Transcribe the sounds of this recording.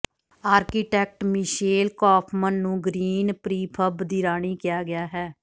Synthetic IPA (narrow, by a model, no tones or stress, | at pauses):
aːɾkiːʈɛːk̚ʈmɪʃeːlkɔːpʰmənːũːɡɾiːnpɾiːpʰəbd̪iːɾaːɳ̃iːkɪjaːɡɪjaːɦɛː